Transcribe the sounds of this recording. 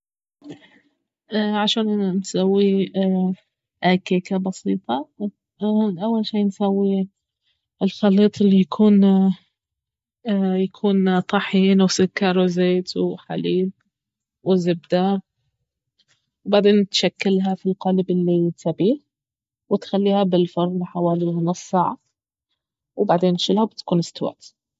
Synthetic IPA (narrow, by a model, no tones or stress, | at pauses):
ʔʕaʃaːnʔanansawːi | ʔakeːkabɑsiːt̪ˤɑ | ʔawːalʃiːnsawːi | ɪlxɑlːiːt̪ˤɪlːijakʰuːn | jakʰuːnt̪ˤɑħiːnwsʊkːɑɾˤʊzeːt̪ʰuħa̰liːl | wɪzɪb̚d̪a | wbaʕd̪eːnt̪ʃakːɪlɦafilqɑlɪbɪlːisabiː | wɪt̪xalːiːhabɪlfɑɾˤlɪħawaːlinʊsˤsaːʕa | wbaʕd̪eːnːʃɪlhabɪt̪kuːnɪst̪awa̰t̪